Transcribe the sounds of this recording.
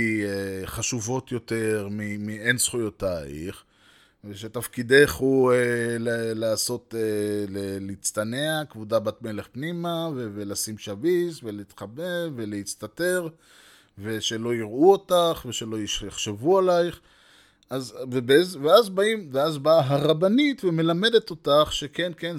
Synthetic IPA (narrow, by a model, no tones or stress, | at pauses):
ieχaʃuvo̞t̪jo̞t̪e̞ʁmimiensχujo̞ta̰ḭχ | veʃet̪afkid̪e̞χuelelaːso̞telelit͡st̪aneakvudabat̪me̞leχpnimavevelasimʃavisvelit̪χabeve̞leit͡st̪ate̞ʁ | ve̞ʃe̞lo̞iʁuotaχve̞ʃe̞lo̞ijaχʃevualajχ | azvebezveazbaimveazbaɦaʁabanitveme̞lame̞d̪et̪o̞taχʃe̞kenken